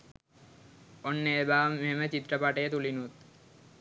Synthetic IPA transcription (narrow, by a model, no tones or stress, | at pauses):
ɔnːeebameɦemet͡ɕit̪ːɾapaʈet̪ulinut̪̚